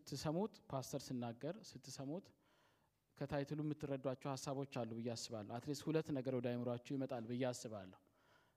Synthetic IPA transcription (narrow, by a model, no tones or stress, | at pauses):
sɨt̪ʰːɨsəmut̪ʼpʰast̪ʰəɾsɨnːaɡːəɾsɨt̪ʰːɨsəmut̪ʼ | kʰət̪ʰajt̪ʰɨlujɛmːɨt̪ʰːɨrːəd̪ːwat͡ʃːɛwhasːaβo̞t͡ʃːalːubɨjːɛasːɨβalːəwat̪leshulət̪ːnəɡəɾwɔd̪ajmɨɾat͡ʃːɛwjɪmət̪ʼalbɨjːɛasːɨβalːəhu